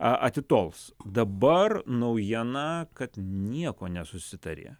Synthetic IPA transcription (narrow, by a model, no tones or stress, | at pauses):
ɐʔɐt̪ʲɪt̪oːlˠsd̪ɐbɐrnɐʊjiɛnɐkɐt̪nʲiɛkoːnʲɛsʊsʲɪt̪ɐɾʲḛː